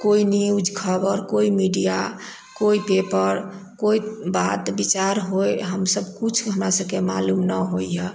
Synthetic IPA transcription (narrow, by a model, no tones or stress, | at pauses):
koiniud͡ʒkʰəbəɾkoimiɖija | koipepəɾ | koibat̪bit͡ʃaɾɦojɦəmsəbkut͡ʃʰɦəmɾasəb̚kema̰lumnəɦojjɛ